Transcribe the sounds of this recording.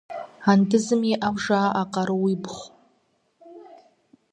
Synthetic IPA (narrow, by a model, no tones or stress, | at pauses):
andɨzɨmiʔabʐaːʔaqʼaɾɨwibχʷ